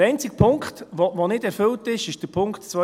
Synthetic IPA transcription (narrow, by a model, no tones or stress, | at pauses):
ɛɪnt͡sɪɡ̥̚pʰʊŋkχtʋovonɪdɛɾfʏltɪʃɪʃd̥əɾpʰʊŋktt͡sʋœ